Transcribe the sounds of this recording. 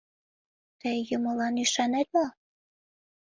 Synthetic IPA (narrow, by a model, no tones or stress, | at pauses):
t̪əjjəməlɑnyʃɑnet̪̚mo